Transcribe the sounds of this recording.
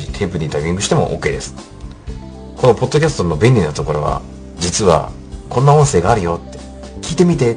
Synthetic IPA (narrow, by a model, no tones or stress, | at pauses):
it̪ʰe̞ːpɯ̟ɲ̟id̪ajbʲĩŋɡɯɕi̥t̪e̞mo̞̰ʔo̰kːe̞ːd̪e̞sɨ̥ | ko̞no̞po̞d̪ːo̞kʲasɨ̥t̪o̞no̞benːʲinot̪o̞ko̞ɾo̞βa̰ | d͡ʑit͡sɨβa̰ | kõ̞nːaõ̞ɰ̃se̞ːɡaːɾɯ̟jo̞t̪ːe̞ | kʲiːt̪e̞mʲit̪̬e̞